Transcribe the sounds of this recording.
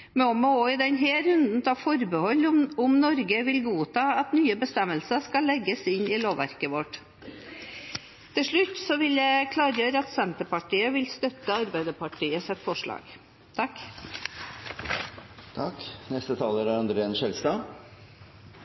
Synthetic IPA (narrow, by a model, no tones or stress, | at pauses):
mɛɔmooːɪd̪ɛnɦeːɾʉnd̪n̩t̪ʰɑfɔɾbəhɔlːʊmnɔɾɡəʋɪlɡuːt̪ʰɑːɑt̪nyːəbəst̪ɛmːəlsəʂkɑlːɛɡːəsɪniːloːʋæ̰ɾkəʋɔʈ | t̪ʰɪlʂɭʉt̪ːsɔʋɪljæɪkʰlɑːɾjøːɾəɑt̪sɛnt̪əɾpɑʈʰiːəʋɪlst̪œt̪əɑɾbæɪd̪əpɑʈʰiːəsɛt̪ːfɔʂɭɑ̰ːɡ̥ | t̪ʰɑk | t̪ʰɑknɛst̪ət̪ʰɑːləɾæɾɑnd̪ɾenʃɛlst̪ɑ